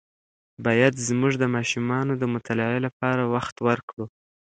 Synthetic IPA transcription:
bɑjad̪zmuʐd̪əmɑʃumɑnod̪əmʊt̪ʰalɑʕelapɑɾawaxt̪wəɾkɽu

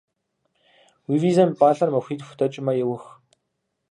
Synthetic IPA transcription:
wiwizanpaɮărmawxʲiːt̪xu̥t̪ʰat͡ɕɪmajʊwə̆x

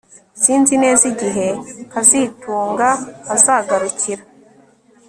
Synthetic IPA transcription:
sinzineziɟiɦekazituːŋɡakazaɡaɾucʰiɾa

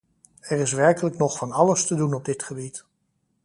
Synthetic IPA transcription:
ɛrɪs̬ʋɛɹkələknɔχfɑnɑləstədunɔb̚dɪtχəbit

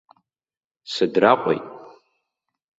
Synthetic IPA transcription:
sɨdraqʷʼo̰jtʼ

